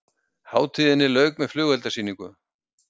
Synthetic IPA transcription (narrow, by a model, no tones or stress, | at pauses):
haːwt̪ʰiðɪnːɪlœːɥk̚mɛðflʏːɣɛlt̪asiːnikʏ̰